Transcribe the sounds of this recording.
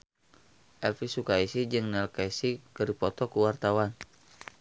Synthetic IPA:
ʔɛlfisukaisid͡ʒɨŋnɛlkaisikəɾipɔt̪ɔkuwart̪awan

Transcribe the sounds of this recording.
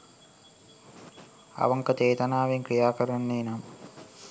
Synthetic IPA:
ɐ̰ʋɐŋkət̪eːt̪ɐnaːʋeŋkɾijaːkəɾɐnːeːnam

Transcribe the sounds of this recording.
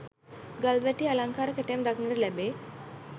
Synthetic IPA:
ɡalʋæʈialaŋkaːɾəkeʈejamd̪aknəɾəlæbeː

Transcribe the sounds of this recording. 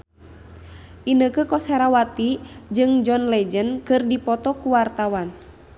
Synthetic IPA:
ʔinəkəkɔsɛɾawat̪id͡ʒɨŋd͡ʒɔnlɛd͡ʒənkɨrdipɔt̪ɔkuwart̪awan

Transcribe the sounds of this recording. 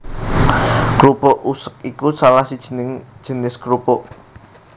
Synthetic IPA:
kɾupɔʔusək̚ikusalahsid̥ʒ̥ə̤nɪŋd̥ʒ̥ə̤nɪskɾupɔʔ

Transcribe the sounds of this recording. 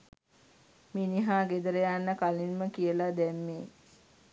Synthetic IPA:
miːniɦaːɡed̪əɾəjanːəkalinməkijəlad̪ɛmːeː

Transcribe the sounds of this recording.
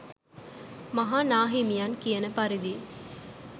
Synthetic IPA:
mɐɦaːnaːɦimijaːnkijɐnəpɐɾid̪i

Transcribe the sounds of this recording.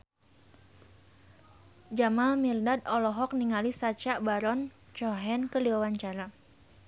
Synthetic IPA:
d͡ʒamalmirdadɔlɔɦɔk̚niŋalisat͡ʃaʔbaɾɔn | t͡ʃɔɦɛnkəliwawaɲt͡ʃaɾa

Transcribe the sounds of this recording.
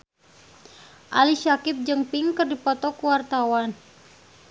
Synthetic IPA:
ʔa̰liʃakip̚d͡ʒɨŋpɪŋkɨrdipɔt̪ɔkuwart̪awan

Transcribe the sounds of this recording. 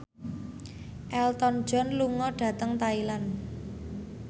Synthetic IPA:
ʔɛlt̪ɔn̥d͡ʒ̥ɔ̤nluŋɔɖ̥ä̤t̪əŋt̪ailan

